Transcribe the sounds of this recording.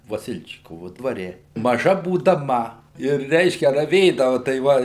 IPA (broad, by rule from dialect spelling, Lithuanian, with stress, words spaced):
ʋɐˈsʲɪlʲt͡ʃʲɪkoːʋʊ dʋɐˈrʲɛ mɐˈʒɐ buːdɐˈmɐ ɪr ˈrʲɛɪʃʲkʲɛ rɐˈʋʲeːdɐʋʊ tɐɪ ˈʋɐ